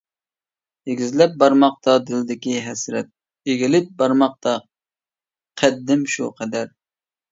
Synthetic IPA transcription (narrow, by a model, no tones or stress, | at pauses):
jeɡʲizlɛp̚bɑɾmɑq̚t̪ɑd̪ɪld̪ɪkʲiɦɛsɾɛt̪̚ | eɡʲilɪp̚bɑɾmɑq̚t̪ɑ | qʰæd̪ːɪmʃuqʰɛd̪æɾ